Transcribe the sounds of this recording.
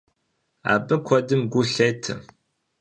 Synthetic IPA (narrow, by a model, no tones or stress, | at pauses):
a̰ːbɐkʷʰɔdɨmɡʷuɬejtʰɐ